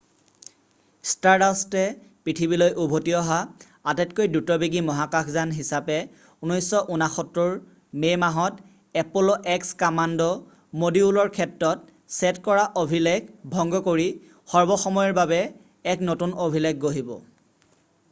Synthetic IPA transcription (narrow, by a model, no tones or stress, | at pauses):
staɹdastɛpɹitʰibilojʔubʱotiɔɦa | atɛtkojdutɔbiɡimɔɦakakʰzanɦisapɛ | unɔjsɔʔunaxɔtɹɔɹ | mejmaɦɔt | ɛpulɔʔɛkskamandɔ | modiulɔɹkʰɛtɹɔt | sɛtkɔɹaʔobʱileɡbʱɔŋɡɔkoɹi | xɔɹbɔxɔmɔjɔɹbabɛ | ɛknotunobʱileɡ̚ɡoɦibɔ̰